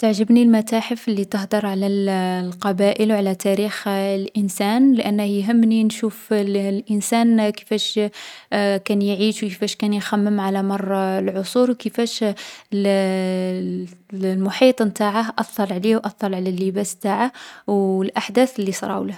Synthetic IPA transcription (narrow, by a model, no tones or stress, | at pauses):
t̪aʕʒəbnilmæt̪aħəfəlːit̪əhd̪ɑɾˤʕalælqɑbæʔəlwʕalæt̪ʰæɾixlʔənsænlʔænːəhjɦəmːninʃuflʔənsænkə̥fæʃ | kænjʕiʃwkəfæʃkænjxæmːəmʕalæmɑrˤːɑlʕosˤuɾwkəfæʃ | lmʊħit̪ˤmt̪aʕahʔɑθˤːɑlˤʕliwʔɑt̪ˤːɑlʕlælːəbæst̪aʕahwəlʔaħd̪æθəlːisˤɾˤɑ̰wləh